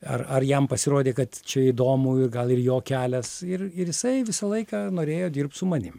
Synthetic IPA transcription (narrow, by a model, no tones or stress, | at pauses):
ɐ̰rɐrjɛmpɐsʲɪɾoːd̪ʲeːkɐt̪t͡ʃʲɛiːd̪oːmuɪrɡɐlˠɪrjoːkʲæːlʲɛsɪrɪɾjɪsɐɪʋʲɪsɐlˠɐɪkɑːnoːɾʲeːjoːd̪ʲirp̚t̪sʊmɐnʲɪm